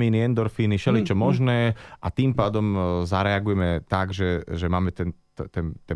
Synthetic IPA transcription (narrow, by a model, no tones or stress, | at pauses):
iːniɛnd̪ɔɾfiːniʃɛlɛt͡ʃɔmɔʒnɛːʔat̪iːmpaːd̪ɔmzaɾɛaɡujɛmɛt̪aɡʒɛʒɛmaːmɛt̪ɛnt̪ɛnt̪ɛ